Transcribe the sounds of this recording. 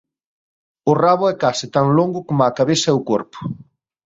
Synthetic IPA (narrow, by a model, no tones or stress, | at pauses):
ʊraβʊɛkasɪt̪aŋloŋɡʊkomakaβesɐɛʊkoɾpʊ̥